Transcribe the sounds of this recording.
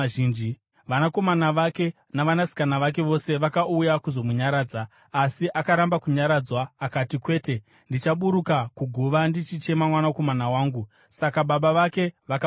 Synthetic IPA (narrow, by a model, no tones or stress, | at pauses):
ʒiːnd͡ʒi | ʋanako̞manaʋake̞ | naʋanasi̥kanaʋak̬e̞ʋo̞se̞ʋakaujakuzo̞muɲaɾaːd͡zaː | siʔakaɾambakuɲaɾaːd͡zwaːkatikwe̞ːte̞ | ndit͡ʃaɓuɾukakuɡʱuʋandit͡ʃit͡ʃe̞mamwanako̞manawaːŋɡu | sakaɓaɓaʋake̞ʋaka